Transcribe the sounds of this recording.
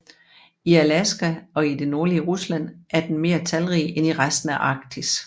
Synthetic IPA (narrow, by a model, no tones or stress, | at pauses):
iælæsɡ̥æɒ̽id̥e̝no̝ɐliəʁuslæn̰ʔæɐd̥en̩me̝̰ːɐt͡sʰælʁiːʔeniʁasd̥n̩æʔɑ̈ɡ̥d̥ʰis